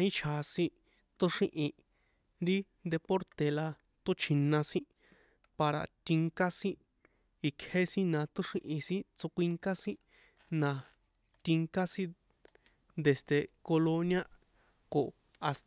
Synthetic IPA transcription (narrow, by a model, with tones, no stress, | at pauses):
i˦t͡ʃʰa˨˧sĩ˦ | t̪o˦ʂĩ˦˧ʔĩ˧ | nɾi˦nd̪e˧po˦ɾt̪e˨la˧ | t̪o˦t͡ʃʰĩ˧nːã˧sĩ˦ | pa˧ɾa̰˧t̪i˧ŋka˦sĩ˦ | i˧kʰhe˦sĩ˦nã˧t̪o˦ʂĩ˧ʔĩ˧sĩ˦t͡so˧kʷi˧ŋka˦sĩ˦ | nã˧ | t̪i˧ŋka˦sĩ˦ | nd̪e˨st̪e˨ko˧lo˧nj̃a˦ | ko˨ | a˧s